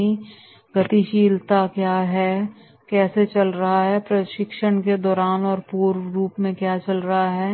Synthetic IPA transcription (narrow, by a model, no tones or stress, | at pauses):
ĩ | ɡɐt̪iʃiːlt̪akjaːɦɛː | kɛːset͡ʃɐlɾɐɦaɦɛpɾɐʃɪkʃəɽ̃ked̪ɔːɾaːnɔːɾpuːɾɾuːpmẽkjaːt͡ʃɐlɾɐɦaɦɛː